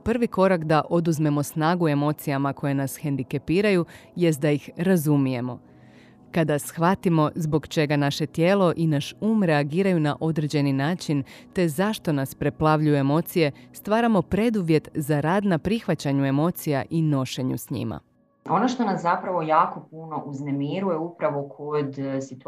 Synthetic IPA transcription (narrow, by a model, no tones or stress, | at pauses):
pr̩ʋiko̞ɾakd̪aʔo̞d̪uzme̞mo̞snaːɡue̞mo̞ːt̪sijamako̞jenasxe̞nd̪ike̞piːɾajuje̞s̬t̪̚d̪ajixɾazumije̞mo̞ | kad̪asxʋat̪imo̞zbo̞ɡt͡ʃe̞ɡanaʃe̞t̪je̞ːlo̞ʔinaʃuːmɾe̞aɡiːɾajunaʔo̞d̪ɾe̞d͡ʑe̞ninaːt͡ʃint̪e̞zaʃt̪o̞naspɾe̞plˠaʋʎujue̞mo̞ːt̪sije̞st̪ʋaːɾamo̞pɾe̞d̪uʋje̞t̪zaɾaːd̪napɾixʋat͡ɕaɲue̞mo̞t̪sijaʔino̞ʃe̞ɲṵsɲḭma̰ | o̞noʃt̪o̞naszapɾaʋo̞jaːko̞puno̞ʔuznemiɾujeupɾaʋokʰod̪sit̪